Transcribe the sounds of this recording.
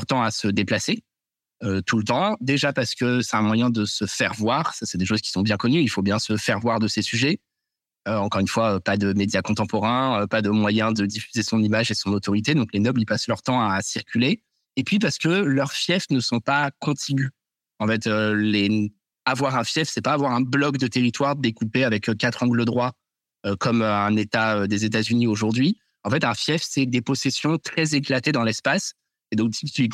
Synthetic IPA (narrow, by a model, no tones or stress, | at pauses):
ʁt̪ɑ̃asəd̪eplase | øt̪ulət̪ɑ̃d̪eʒapaʁsə̥kəsɛt̪ɛ̃mwajɛ̃d̪əsəfɛʁvwaːʁsasɛd̪eʃoz̥kʲi̥sɔ̃bjɛ̃kɔnyilfobjɛ̃səfɛʁvwaʁd̪əsesyʒɛ | øɑ̃kɔʁynfwaøpad̪əmed̪jakɔ̃t̪ɑ̃pɔʁɛ̃øpad̪əmwajɛ̃d̪əd̪ifyzesɔ̃nimaʒesɔ̃not̪ɔʁit̪ed̪ɔ̃klenɔblipaslœʁt̪ɑ̃asiʁkʲyleː | pɥip̬aʁsə̥kəlœʁfjɛfnəsɔ̃pakɔ̃t̪ʰiɡʲy | ɑ̃fɛt̪øle | avwaʁɛ̃fjɛfsɛpaːvwaʁɛ̃blɔkd̪ət̪eʁit̪waʁd̪ekupeavɛkkːat̪χɑ̃ɡləd̪ʁwa | økɔmøɛ̃net̪aød̪ezet̪azynioʒuʁd̪ɥi | ɑ̃fɛt̪ɛ̃fjɛfsɛd̪epɔsesjɔ̃t̪χɛzeklat̪ed̪ɑ̃lɛspas | ed̪ɔ̃k̪ii